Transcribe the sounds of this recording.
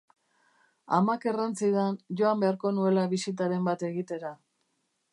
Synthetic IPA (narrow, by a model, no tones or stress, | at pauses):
amake̞rant͡siðanʝo̞ambe̞aɾko̞nue̞laβisit̪aɾe̞mbat̪e̞ɣit̪e̞ɾa